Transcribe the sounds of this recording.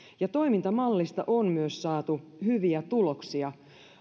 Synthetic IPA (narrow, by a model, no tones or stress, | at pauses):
jɑt̪o̞jmint̪ɑmɑlːist̪ɑ̰ʔonmyøssɑːt̪uhyʋiæt̪uloksiɑ